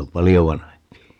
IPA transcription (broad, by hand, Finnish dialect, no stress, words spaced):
om pɑlijo ʋɑnɑhempi